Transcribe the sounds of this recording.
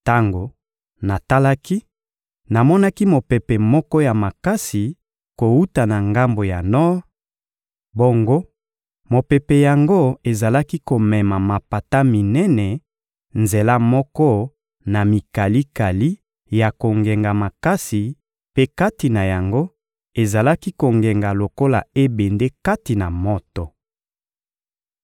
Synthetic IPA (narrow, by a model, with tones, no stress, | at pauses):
ta˦ŋɡo˨ | na˨ta˦la˦ki˦ | na˨mɔ˦na˦ki˦mo˨pɛ˨pe˨mɔ˦kɔ˦ja˨ma˨ka˦si˨ | ko˨wu˦ta˨na˨ŋɡa˦mbo˨ja˨nɔ˦ | bo˦ŋɡo˦ | mo˨pe˨pe˨ja˨ŋɡo˦e˨za˨la˦ki˦ko˨mɛ˨ma˨ma˨pa˨ta˦mi˨nɛ˦nɛ˨ | nze˨la˦mɔ˦kɔ˦ | na˨mi˨ka˨li˦ka˨li˦ | ja˨ko˨ŋɡe˨ŋɡa˨ma˨ka˦si˨ | pe˦ka˦ti˨na˨ja˨ŋɡo˦ | e˨za˨la˦ki˦ko˨ŋɡe˨ŋɡa˨lo˨ko˦la̰˨e˦be˨nde˦ka˦ti˨na˨mɔ˦tɔ˨